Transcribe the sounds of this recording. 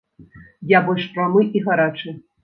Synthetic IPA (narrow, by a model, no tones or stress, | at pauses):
jabɔlʲʂpɾamɨʔiɣaɾat͡ʂɨ